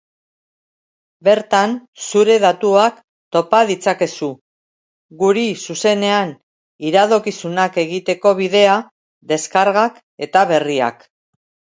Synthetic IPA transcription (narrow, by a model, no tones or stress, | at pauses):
be̞ɾt̪ansuɾe̞ðat̪uak | t̪o̞paðit͡sake̞su | ɣuɾisuse̞ne̞an | iɾaðo̞kisunake̞ɣit̪e̞ko̞β̞iðe̞a | d̪e̞skaɾɣak | e̞t̪aβe̞ria̰k